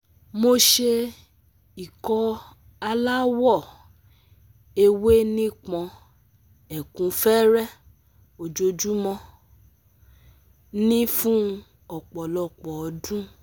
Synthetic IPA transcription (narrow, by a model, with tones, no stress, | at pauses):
mo˧ʃe˧ | i˨kɔ˧ | a˧la˦wɔ˦˨ | e˧we˦nĩ˦k͡pɔ̃˧ | ɛ˨kũ˨˧fɛː˦ɾɛ˦˨ | o˨d͡ʒo˧d͡ʒu˦mɔ̃˧ | nĩ˦fũ˦ | ɔ˨k͡pɔ˨lɔ˨k͡pɔ˨dũ˦